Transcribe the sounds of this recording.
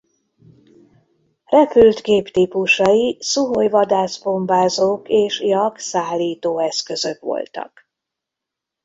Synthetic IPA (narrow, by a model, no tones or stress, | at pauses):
rɛpylt̪ɡeːpt̪iːpuʃɒisuɦojvɒd̪aːzbo̞mbaːzoːkeːʃjɒksaːlːiːt̪oːɛskø̞zø̞kʋo̞̰lt̪ɒ̰k